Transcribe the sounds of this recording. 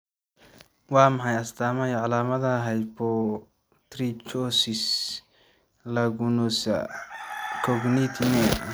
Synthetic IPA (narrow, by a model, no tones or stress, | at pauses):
wɑːmɐħɑjɐst̪ʰaːmɐjɔʕɑlaːmɐðɐɦɛjbʰɔ | t̪ɾit͡ʃɔsɪs | lɐɣʊnɔsɐ̰ | kʰɔɡnit̪ʰmɛ